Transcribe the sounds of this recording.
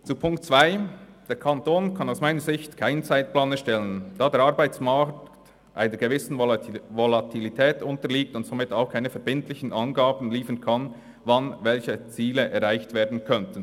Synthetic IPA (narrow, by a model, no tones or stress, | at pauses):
t͡supʰʊŋktt͡sv̥aɪ | d̥eːɾkʰɑntoːnkʰɑnaʊsmaɪnəɹzɪçtkʰaɪnt͡saɪt̚plaːnɛʃtɛlənd̥ɑːdeːɐɾɑɾbaɪt͡smakt | ʔa̰ɪnəɾɡevɪsn̩volɑtʰilitʰɛːtʊntəliːk̚tʊntsomɪtaʊxkʰaɪnəfɛɐɾbɪntlɪçən̩ʔɑnɡaːbn̩liːfənkʰɑn | vɑnvɛlçət͡siːləʔɛɾʁaɪçtv̥eːɐdn̩kʰœntən̩